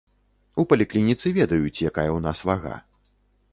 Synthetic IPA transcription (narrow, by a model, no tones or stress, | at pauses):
upɐlʲiklʲinʲit̪sɨvʲɛd̪ɐjut͡sʲjakajɐwnasvaɣa̰